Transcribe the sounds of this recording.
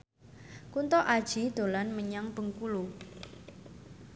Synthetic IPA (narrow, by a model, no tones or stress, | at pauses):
kunt̪ɔʔad̥ʒ̥i̤d̪̥o̤lanməɲaŋb̥əŋkulu